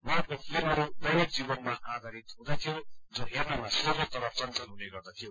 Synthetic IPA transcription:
maʈkopʰlimʌɾudʌɾek̚d͡zibʌnmaʔad̪ʱaɾit̪ɦũd̪at̪ʰijod͡zoɦernʌmasorot̪ʌɾʌpt͡sʌnt͡sʌnɦuneɡʌrd̪at̪ʰijo

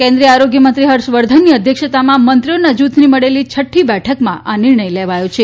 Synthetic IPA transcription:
kẽnd̪ɾiəaɾoɡjəmənt̪ɾiɦəɾʃʋəɾd̪ʱənːiəd̪ʱjəkʃət̪amãmənt̪ɾijonəd͡ʒut̪ʰniməɽelit͡ʃʰəʈʰːibɛʈʰəkmã̰ʔanɪɾɳəjleʋajõt͡ʃʰe

